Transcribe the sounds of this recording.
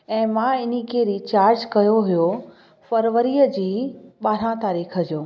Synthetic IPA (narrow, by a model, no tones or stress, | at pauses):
ɛ̃ːmãɪnikeːɾit͡ɕaːɾd͡ʑkɐjoɦʊjo | fəɾʋəɾiəd͡ʑiːɓaːɾ̤ãt̪aːɾiːkʰəd͡ʑoː